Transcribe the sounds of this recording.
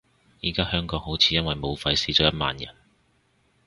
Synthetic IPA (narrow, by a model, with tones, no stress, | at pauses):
jiː˨˩kaː˥hœː˥ŋkɔː˨˧˥ŋho˨˥wt͡sʰiː˨˧jɐ˥nwɐ˨jmo˨˧wfɐ˧jsiː˨˧t͡sɔː˨˥jɐ˥t̚ma̰ː˨˧njɐ̰˨˩n